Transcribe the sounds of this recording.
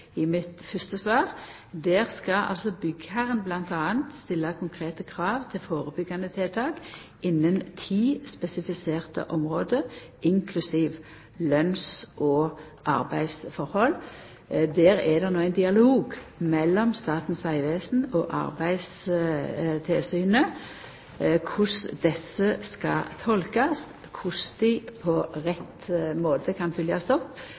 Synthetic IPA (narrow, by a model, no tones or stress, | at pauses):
ɪmɪt̪fʏst̪əsʋɑːʁ | d̪eːʁskɑʔɑ̰lsɔbʏɡhæɾənblɑnt̪ɑːənt̪st̪ɪlːɑkʰʊŋkʰʁeːt̪əkʰʁɑːʋt̪ʰɪlfoːʁəbʏɡːɑnət̪ʰɛːt̪ʰɑːɡ | ɪnːənt̪ʰiːspɛsɪfɪseːʁt̪ə̰ʔɔmʁoːd̪əɪŋkʰlʉsiːʋ | lœnsʔɔː | ʔɑ̰ʁbæɪsfɔʁhɔl | d̪eːɾɛd̪ɛʁnoːæɪnd̪ɪɑloːɡmɛlːɔmst̪ɑːt̪n̩sæɪʋeːsn̩ɔʔɑ̰ʁbæɪs | t̪ʰɪlsyːnə | kʰʊsd̪ɛsəskɑ̰t̪ʰɔlkɑs | kʰʊsd̪ɪpʰɔʁɛt̪moːt̪ʰəkʰɑnfʏljɑst̪ɔpː